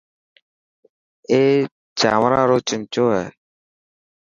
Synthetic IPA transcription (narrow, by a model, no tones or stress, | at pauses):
eː | d͡ʒaːmɾaːɾoːt͡ʃɪŋt͡ʃoːɦɛː